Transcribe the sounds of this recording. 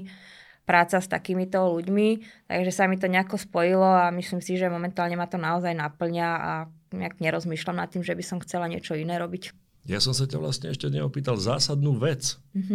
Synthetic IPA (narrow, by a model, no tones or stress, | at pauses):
pɾaːt͡sast̪a̰kiːmit̪ɔluɟmit̪a̰ɡʒɛsamit̪ɔɲɛakɔspɔjilɔamisliːmsiʒɛmɔmɛnt̪aːlɲɛmat̪ɔnaɔzajnapl̩ɲaa̰ | ɲɛakɲɛɾɔzmiːʃlamna̰t̪ːiːmʒɛbisɔmxt͡sɛlaɲɪɛ̰t͡ʃɔinɛːɾɔbic | jasɔms̬acaʋla̰st̪ɲɛɛʃcɛɲɛɔpiːt̪alzaːsad̪̚nuːʋɛt͡s